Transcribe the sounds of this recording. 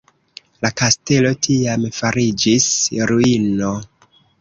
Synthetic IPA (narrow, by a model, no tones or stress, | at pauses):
lakaste̞lo̞tʰiamfaɾid͡ʒisɾuino